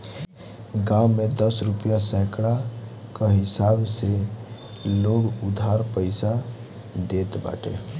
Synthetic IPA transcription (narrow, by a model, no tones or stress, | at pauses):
ɡãwmed̪əsɾupjasɛkɽa | kəɦisabse | loɽud̪ʱaɾpəɪsa | d̪et̪ba̰ʈḛ